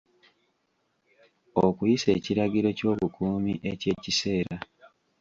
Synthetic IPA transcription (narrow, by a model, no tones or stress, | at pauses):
okujise̞ːciɾaɡiɾo̞co̞ːβukʰuːmiʔece̞ːcise̞ːɾa